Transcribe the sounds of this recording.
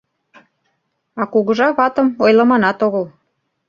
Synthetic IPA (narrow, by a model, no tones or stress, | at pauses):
ɑkuɣə̆ʒɑβɑt̪ə̆mojlə̆mɑnɑt̪oɣəl